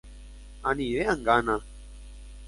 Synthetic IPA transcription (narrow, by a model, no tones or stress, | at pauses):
aniʋeəŋɡana